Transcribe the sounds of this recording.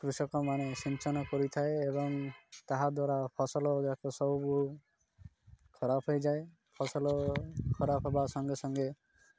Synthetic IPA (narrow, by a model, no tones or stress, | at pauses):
kɾusɔkɔmanesint͡ʃɔnɔkɔɾit̪ʰaeebɔŋt̪aɦad̪waɾapʰɔsɔlɔɡakʰɔsɔɦubuɦu | kʰɔɾapʰɦojd͡ʒae | pʰɔsɔlɔkʰɔɾapʰɦebasɔŋɡesɔŋɡe